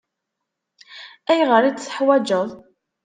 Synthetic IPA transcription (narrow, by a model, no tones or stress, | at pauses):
æjʁəɾit͡sθə̥ħwæd͡ʒəðˤ